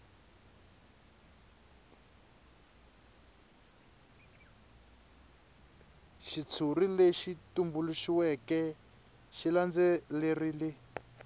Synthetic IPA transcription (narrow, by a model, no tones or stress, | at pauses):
ʃit͡sʰurileʃitumbuluʃiwɛkɛ | ʃiland͡zɛlerile